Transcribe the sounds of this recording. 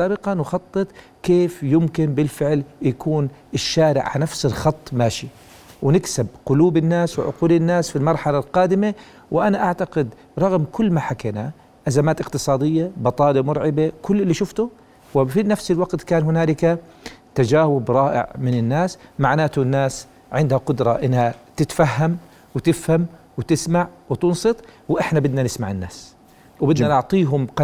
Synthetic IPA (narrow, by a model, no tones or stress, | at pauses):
aːbɪqɑnwxɑt̪ˤːɨt̪ˤ | keːfjʊmkɪnbɪlfɪʕljakuːnɪʃːaːɾɪ̰ʕʕanafsɪlxɑt̪ˤːmaːʃi | wnɪksɪb̚qʊluːbɪnːaːswɪ̰ʕʊ̰quːlɪnːaːsfilmɑɾˤħalalqɑːd̪ɪma | wɪʔanaʔaʕt̪aɡɪd̪ | ɾˤɑɣmkʊlːmaħakeːna | ʔazamaːt̪ɪqt̪ɨsˤɑːd̪ɪjːabɑt̪ˤɑːlemʊɾʕɪbekʊlːɪlːiːʃʊft̪ʊ | wɪfinafsɪlwaɡt̪kaːnhʊnaːlɪka | t̪ad͡ʒaːwʊbɾˤɑːʔɪ̰ʕmɪnɪnːaːsmaʕnaːt̪ʊnːaːs | ʕɪnd̪haqʊd̪ɾˤɑʔɪnːhat̪ɪt̪faɦːam | wɪt̪ɪfham | wɪt̪ɪsmaʕwɪt̪ʊnsˤɨt̪ˤwʔɪħnabɪd̪nanɪsmaʕɪnːa̰ːs | wbɪd̪nanʊʕt̪ˤiːɦʊmqɑ